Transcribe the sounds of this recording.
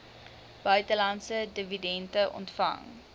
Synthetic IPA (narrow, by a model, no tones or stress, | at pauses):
b̥œɥtəlɐntsədividɛntəʔɔ̰ntfɐ̰ŋ